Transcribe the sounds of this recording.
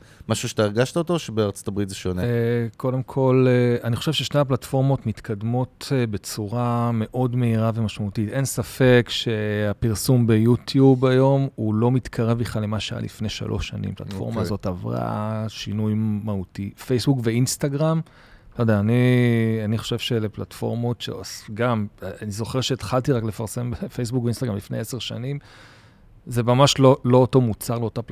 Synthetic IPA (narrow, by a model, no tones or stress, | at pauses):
maʃuʃe̥t̪aiʁɡaʃtaot̪oʃebeaʁt͡sot̪abʁit̪zeʃoneko̞de̞mkʰo̞leaniχo̞ʃevʃeʃne̞aplatfo̞ʁmo̞tmit̪kʰad̪mo̞tbe̞t͡suʁame̞ʔo̞dme̞iʁave̞maʃmaut̪it̪e̞nsafe̞kʃe̞apiʁsumbe̞jut̪ʰjubajo̞mulo̞mit̪kʰaʁe̞vliχlalemaʃeaja̰lḭfne̞ʃa̰lʔo̞̰ʃanḭmpla̰tfo̞̰ʁmazo̞t̪avʁa̰ʃinujmautifejsbukveinstaɡʁam | tojdeaːnianiχo̞̥ʃe̞vʃele̞platfo̞̰ʁmotʃḛosɡamanizo̞χeʁʃeːt̪χaltiʁaklefaʁse̞mbefejs̬bukveinst̪aɡʁamlifnejeseʁʃanim | ze̞mamaʃlolo̞oto̞mut͡saʁleotap